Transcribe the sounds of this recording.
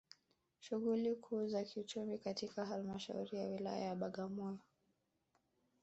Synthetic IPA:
ʃuɣulikʰuːzakiut͡ʃumikatikaɦalmaʃa̰ṵɾijawila̰ja̰jaɓaɠamɔjɔ

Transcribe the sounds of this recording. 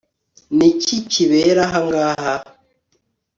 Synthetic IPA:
niciciβeɾaɦaŋɡaːɦa

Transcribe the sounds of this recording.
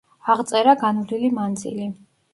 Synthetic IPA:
aʁt̪sʼɛɾaɡanvlilimand̪zḭli

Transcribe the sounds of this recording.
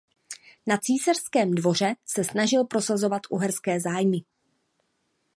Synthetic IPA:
nat͡siːsarskɛːmdvo̞r̝ɛsɛsnaʒɪlpɾo̞sazo̞vat̪ʔuɦɛɾskɛːzaːjmɪ

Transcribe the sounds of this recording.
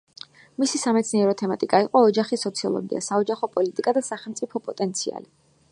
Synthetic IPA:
misisamɛt̪sʰniɛɾɔt̪ʰɛmat̪ʼikʼaiqʼɔːd͡ʒaχisɔt̪sʰiɔ̰lˠɔ̰ɡḭa̰saɔd͡ʒaχɔpʼɔlit̪ʼikʼad̪asaχɛlˠmt̪sʼipʰɔpʼɔt̪ʼɛnt̪sʰia̰li

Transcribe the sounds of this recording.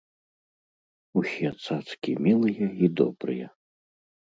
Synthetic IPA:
usʲɛt̪sat̪skʲimʲilˠɨjɐid̪ɔ̰bɾɨ̰jɛ̰

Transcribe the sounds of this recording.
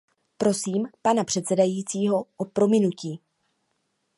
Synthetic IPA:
pɾo̞siːmpanapr̥ɛt̪sɛdajiːt͡siːɦo̞ʔopɾo̞mɪnuciː

